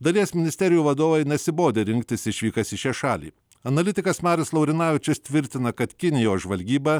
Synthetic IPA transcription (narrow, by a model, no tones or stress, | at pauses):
d̪ɐlʲiɛsmʲɪnʲɪsʲt̪ʲɛɾʲɪjuːʋɐd̪oːʋɐɪnʲɛsʲɪboːd̪ʲeːɾʲɪŋʲkt̪ʲɪsɪʃʲʋʲiːkɐsɪʃʲɛʃɑːlʲḭː | ɐnɐlʲɪt̪ʲɪkɐsmɑːɾʲɪslˠɐʊɾʲɪnɑːʋʲɪt͡ʃʲɪst̪ʲʋʲɪɾʲt̪ʲɪnɐkɐt̪kʲɪnʲɪjoːsʒʋɐlʲɡʲiːbɐ